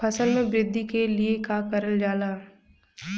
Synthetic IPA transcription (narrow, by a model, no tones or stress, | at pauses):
ɐsəlmẽbɾɪd̪ʱːikeliekakɐɾəld͡ʒaːlaː